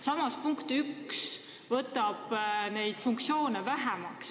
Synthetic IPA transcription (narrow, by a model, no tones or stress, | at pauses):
sɑmɑspuŋkt̪yks | vɤt̪ːˑɑb̥ne̞jd̪̥fuŋk̚tsio̞ːnevæɦɛmɑks